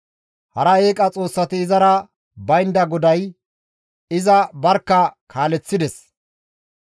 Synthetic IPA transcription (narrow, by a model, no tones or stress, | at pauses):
hɐ̰ɾɐe̞ːkʼɐt͡sʼo̞ːsːɐt̪ɪːzɐɾɐ | bɐjnd̪ɐɡɔd̪ɐj | ɪzɐbɐɾkːɐkʰaːlɛt͡sːɪd̪ɛs